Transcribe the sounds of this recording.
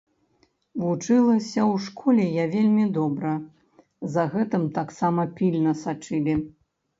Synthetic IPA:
vut͡ʂɨlˠɐsʲɐwʂkʰɔlʲɛjavʲelʲmʲid̪ɔbɾɐ | zɐɣɛt̪ɨmt̪aksamɐpʲilʲnɐsat͡ʂɨlʲi

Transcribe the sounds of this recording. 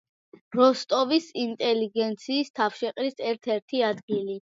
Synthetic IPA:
ɾɔst̪ʼɔvisint̪ʼɛliɡɛnt̪sʰiːst̪ʰafʃɛqʼɾisɛɾt̪ʰɛɾt̪ʰiad̪ɡili

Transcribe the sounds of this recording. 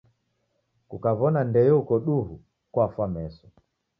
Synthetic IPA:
kukavɔnandɛjɛukɔɗuɦu | kwafwamɛsɔ

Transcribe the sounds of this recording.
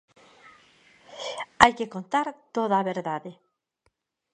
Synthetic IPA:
ajkekont̪aɾt̪oðaːβeɾðaðe

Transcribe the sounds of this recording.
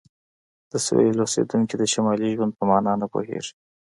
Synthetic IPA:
d̪̥əswelosḛd̪uŋkid̪əʃamɑliʒwand̪̚pəmɑnɑnapo̰hḛʐi

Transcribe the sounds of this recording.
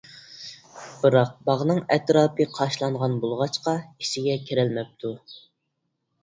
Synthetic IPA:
b̥ɨɾɑq̚bɑʁnɨŋɛt̪ɾɑːpɨqʰɑʃlˠɑɴʁɑnbolˠʁɑt͡ʃqɑi̥ʃɪɡʲɛkʲʰiɾɛlmɛp̚t̪ʰu

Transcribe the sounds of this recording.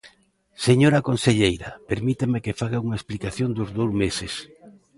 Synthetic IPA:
seɲoɾɐkonseʎejɾɐpeɾmit̪emekefaɣauŋaesplikaθjond̪ʊzðowzmesɪs

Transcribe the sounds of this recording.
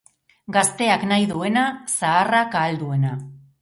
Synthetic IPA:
ɡast̪e̞aknajðue̞nasaːrakaːld̪ue̞na

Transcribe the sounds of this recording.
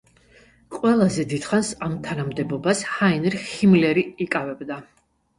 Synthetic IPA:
qʼwɛlˠazɛd̪id̪̥χansamt̪ʰanamd̪ɛbɔbashainɛɾhimlɛɾiikʼavɛbd̪a

